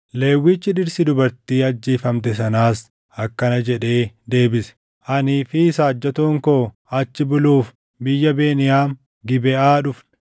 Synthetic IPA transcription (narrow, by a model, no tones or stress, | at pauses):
le̞ːwːiːt͡ʃːɪᶑɪɾsɪd̪ʊbɐɾt̪iːɐd͡ʒːiːfɐmt̪ɛsɐnaːs | ɐkːɐnɐd͡ʒɛᶑe̞ːd̪e̞ːbɪsɛ̥ | ʔɐniːfisaːd͡ʒːɐt̪uːŋkoː | ɐt͡ʃːɪbʊluːf | bɪjːɐbeːnɪjaːn | ɡɪbɛaːᶑʊfn